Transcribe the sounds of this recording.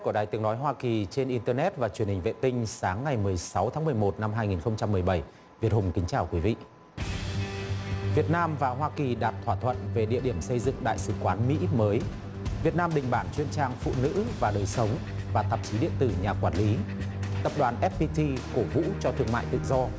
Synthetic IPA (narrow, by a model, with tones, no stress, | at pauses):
ku˧˩əɗaː˨˩t̪i˨˦əŋnɔ˨˦jɦwaː˧ki˨˩t͡ɕe˧nʔi˧nt̪əː˧nɛ˦˥t̚vaː˨˩t͡ɕwi˨˩ənhi˨˩ŋ̟vḛ˧˨t̪ï˧ŋ̟saː˨˦ŋːa˨˩jmɨ˨˩əjsa˨˦wt̪ʰaː˨˦mɨ˨˩əjmo˨˩t̚na˧mɦaː˧jŋi˨˩nxə˧wŋ͡mt͡ɕa˧mːɨ˨˩əjɓə˧˩j | vi˨˩əhʊ˨˧˩ŋ͡mkï˨˦ŋt͡ɕaː˧˨˩wkwi˨˦vḭ˧˨ | vi˨˩ət̚naː˧mvaː˨˩ɦwaː˧ki˨˩ɗaː˨˩t̚t̪ʰwaː˧˩t̪ʰwə̰˧˨nve˨˩ɗḭ˧˨əɗi˧˩əmsə˧jzɨ̰˧˨ŋɗa̰ː˧˨jsɨ˧˩kwaː˨˦nmḭ˧˥məː˨˦j | vi˨˩ət̚naː˧mɗï˨˩ŋ̟ɓaː˧˩nt͡ɕwi˧ənt͡ɕaː˧ŋfṵ˧˨nɨ̰˧˥vaː˨˩ɗəː˨˩jsə˨˦wŋ͡m | vaː˨˩t̪ə˨˩p̚t͡ɕi˨˦ɗḭ˧˨ənt̪ɨ˧˩ɲaː˨˩kwaː˧˩nli˨˦t̪ə˨˩p̚ɗwaː˨˩nʔɛ˦˥p̚pi˧t̪ʰi˧ko˧˩vṵ˧˥t͡ɕɔ˧t̪ʰɨ˧əŋma̰ː˧˨jt̪ɨ̰˧˨zɔ˧